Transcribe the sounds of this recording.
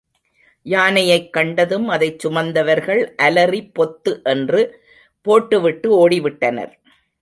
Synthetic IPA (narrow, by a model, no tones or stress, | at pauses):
jaːnɐjɐɪkːɐɳɖɐðɯmɐðɐɪt͡ʃːʊmɐnd̪ɐʋɐɾɣɐɭʔɐlɐripːɔt̪ːɯʔɛndrɯ | poːʈːɯʋɪʈːɯoːɽɪʋɪʈːɐnɐ̰ɾ